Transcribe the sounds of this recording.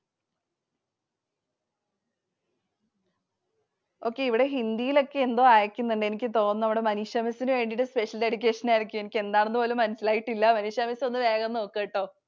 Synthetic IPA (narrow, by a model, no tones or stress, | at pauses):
o̞ːkːe̞iʋiɽe̞ɦind̪ijilo̞kːe̞end̪o̞ːaːjɐkʲːunːuɳɖe̞nikʲːɨt̪o̞ːnːɐɐmʋiɽe̞mɐniʂjɐmɐsinɨʋe̞ːɳɖiɽɨspe̞ʂɐldeɽik̬ʲːe̞ːʂɐnaːjiɾik̬ʲːumenikʲːe̞nd̪aːɳunːɨpoːlumːɐnɐsilaːjiʈːilːɐmɐnuʂjɐmɐso̞nːɨʋe̞ːɣɐnno̞ːkːeːʈːo̞ː